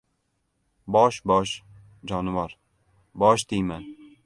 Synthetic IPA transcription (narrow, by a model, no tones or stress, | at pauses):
bɒʃbɒʃ | d͡ʒɒnɪvɒɾ | bɒʃt̪ʰijma